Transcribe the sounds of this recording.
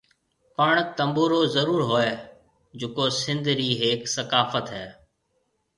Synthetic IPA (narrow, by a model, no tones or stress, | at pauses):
pəɳt̪əmboːɾoːzəɾuːɾɦoːeː | d͡ʒʊkoːsɪ̃nd̪ɾiːɦeːksəkaːfət̪ɦɛː